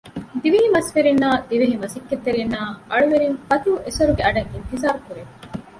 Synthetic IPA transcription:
d̪iʋiɦimɐsfeɾinːaːd̪iʋiɦimɐsikːet̪ːeɾinːaːʔɐɭuʋeɾiŋfɐt̪uːʔesɐɾuɡeɐɖɐŋint̪izaːɾukuɾe

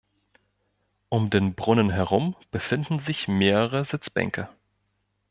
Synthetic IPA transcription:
ʔʊmdeːnbʁʊnənɦɛʁʊmb̥əfɪndn̩zɪçmeːʁəʁəzɪt͡sb̥ɛ̰ŋkʰə

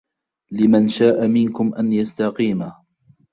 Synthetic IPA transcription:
lɪmanʃaːʔamɪnkʊmʔanjast̪aqiːma

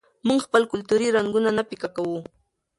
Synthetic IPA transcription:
mʊŋxpəlkʊlt̪ʊɾiɾaŋɡʊnanapɪkakawu

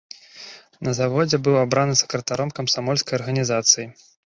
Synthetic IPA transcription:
nɐzavɔd͡zʲɛbɨwabɾanɨsʲɐ̥kɾɐt̪aɾɔmkɐmsamɔlʲskɐjɐrɣɐnʲizat̪sɨji

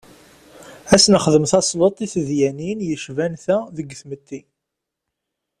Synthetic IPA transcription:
æsnəχðəmθɑsˤlot̪ˤːiθəðjæninjəʃvænθæðəɡθmət̪ːi

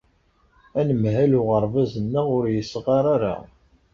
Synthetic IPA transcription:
ænəmhælʊʁəɾˤvæzənːæʁʊɾjəsːʁɑɾˤaɾa̰

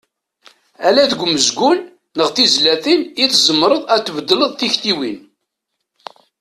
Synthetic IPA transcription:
ælæðəɡʷməzɡʷunː | əʁθizlæθiniθzəmːɾˤəðˤæt̪ːvəd̪ːələðˤθiçt̪iwin

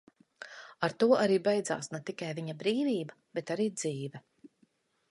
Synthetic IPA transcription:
aɾt̪uɔʔaɾiːbɛjd̪za̰ːsnɛt̪ikajviɲabɾiːviːbɐ | b̥ɛt̪aɾiːd̪z̥iːvɛ

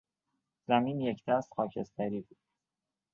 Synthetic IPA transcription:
zæmiːnjecʰd̪̥æst̪xɒːcʰe̞st̪ʰæɾiːbuːd̪̥

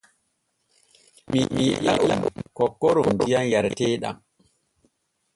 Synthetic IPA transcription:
mimiɗa̰ʔukɔkːɔɾɔndijanjaɾtɛːɗa̰m

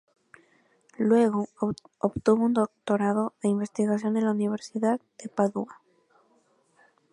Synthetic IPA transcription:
lwe̞ɣooβt̪uβound̪ok̚t̪o̞ɾaðoðe̞imbe̞st̪iɣas̬jo̞nenlauniβ̞e̞ɾsiðaðd̪̥e̞paðua

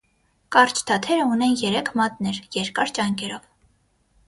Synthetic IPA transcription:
kɑrt͡ʃʰt̪ʰɑt̪ʰɛɾəunɛnjɛɾɛkʰmɑt̪nɛɾjɛɾkɑɾt͡ʃɑŋkɛɾɔv

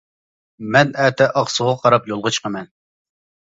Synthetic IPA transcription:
mɛnæːt̪ʰɛʔɑχsuʁɑqʰɑɾɑpjolˠʁɑt͡ʃʰə̥qʰɑmɛn

